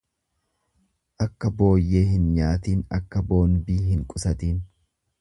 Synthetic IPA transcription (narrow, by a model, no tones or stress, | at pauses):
ʔɐkːɐbo̞ːjːe̞ːɦɪnɲaːt̪iːnɐ̰kːɐbo̞ːnbiːɦɪŋkʼʊsɐt̪iːn